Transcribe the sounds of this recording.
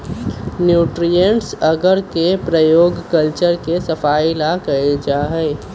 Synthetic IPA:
njuːʈɾijə̃ɳʈsɐɡəɾkepɾəjoːɡkəlt͡ʃəɾkesɐfaːilakɐed͡ʒaːɦɛɪ

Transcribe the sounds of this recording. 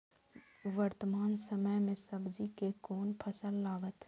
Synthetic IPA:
ʋəɾt̪əmaːnsəməjmẽsəbd͡ʒikekoːnpʰəsəlːaːɡət̪

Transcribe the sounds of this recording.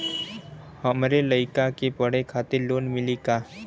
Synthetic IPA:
həmɾeləɪkakepəɽ̤ekʰaːt̪ɪɾloːnmɪlikaː

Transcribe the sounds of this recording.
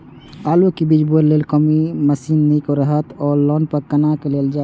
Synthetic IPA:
aːlokibiːd͡ʒboɾleːlkəmiməsiːnːĩkoɾəɦət̪ɔːlɔːnpəkənakeleːld͡ʒaː

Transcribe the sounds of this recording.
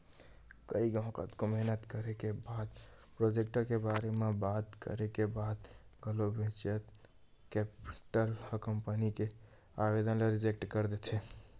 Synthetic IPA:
kəiɡə̃ːkə̰t̪komɛɦnət̪kəɾekebad̪pɾod͡ʒek̚ʈəɾkebaɾemebat̪kə̰ɾekebad̪ɡəlobʱẽt͡ʃət̪ | kɛpi̥ʈəlhəkəmpənike | abed̪ənleɾɪd͡ʒek̚ʈkəɾd̪et̪ʰɦe

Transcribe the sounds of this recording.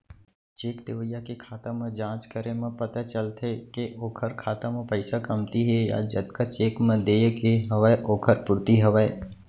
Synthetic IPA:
t͡ʃeːkt̪eːʋəjːakekʰaːt̪ãmə̃d͡ʒãːt͡ʃkəɾemɐ̃pɐt̪at͡ʃəlt̪ʰekeʔoːkʰəɾkʰaːt̪ãmə̃pəɪsakɐmt̪iɦɛja̰d͡ʒɐd̪kat͡ʃeːkmə̃d̪eːjkeɦəʋəʔoːkʰəɾpʊɾt̪iɦəʋəe

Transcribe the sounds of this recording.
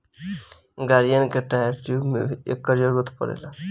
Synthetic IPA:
ɡaɾijankeʈajɾʈiumḛḛkːəɾjəɾɡut̪ʰpə̰ɾḛla

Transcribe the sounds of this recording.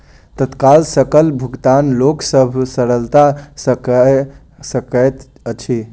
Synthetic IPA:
t̪ət̪kalsəkəlbʱuɡt̪anloksəbʱsəɾəlt̪asək | səkət̪ | ət͡ʃʰi

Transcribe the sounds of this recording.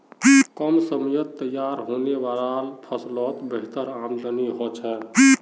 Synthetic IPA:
kəmsəmjət̪ːəjaɾɦonebaɾalpʰəslɔt̪bəɦɪt̪əɾamd̪əniɦɔt͡ʃʰɛ

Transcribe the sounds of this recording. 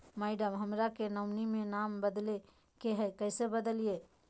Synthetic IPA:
maːɪɖəmɦəmɾakenəʊnimẽnaːmbəd̪le | keɦɛkɛːsebəd̪əlije

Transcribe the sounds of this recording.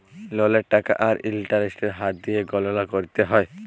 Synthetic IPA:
lɔleʈaka̰ʔaɾḭlʈaɾesʈeɾɦat̪̚d̪ijeɡɔlolakoɾit̪eɦɔe

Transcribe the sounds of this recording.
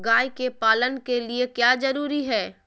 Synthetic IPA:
ɡaːjkepaːlənkeliekjaːzɐɾuːɾiɦɛː

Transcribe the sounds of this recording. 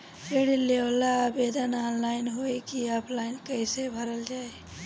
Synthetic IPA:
peɽilːewlaːbeːd̪ənaːnlaːɪnɦoekiaːpʰlaːɪnkəɪsebʱəɾəld͡ʒaːe

